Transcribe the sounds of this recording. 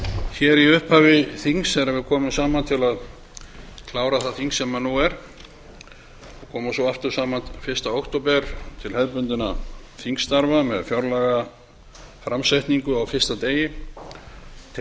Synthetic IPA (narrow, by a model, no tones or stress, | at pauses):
çɛɾiʏhphaːvɪθiŋsɛɾɛvʏkʰɔːmɪsaːmant̪ʰɪlað | kʰlaːwɾaθaθiŋsːɛmanuɛɾ̥ | ɔkʰɔːmasɔaft̪ʏɾ̥saːmanfɪɾ̥st̪aowkt̪opɛɾ̥t̪ʰɪlhɛðpʏnt̪ʏnaθiŋst̪aɾvamɛðfjɔɾlaɣa | fɾamsajt̪niŋkʏawfɪr̥st̪at̪eːjɪ